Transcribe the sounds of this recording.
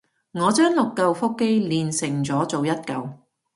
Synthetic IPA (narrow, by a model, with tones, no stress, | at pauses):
ŋɔː˨˧t͡ʃœː˥ŋlʊ˨kːɐ˧wfʊ˥kːe˥jliː˨nsɪ˨˩ŋt͡sɔː˨˥t͡so˨wjɐ˥t̚kɐ˨˧w